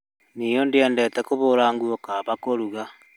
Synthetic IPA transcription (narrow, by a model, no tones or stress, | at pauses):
nijondiɛːndɛtɛkoβoːɾaːŋɡuokaβakoɾuɣa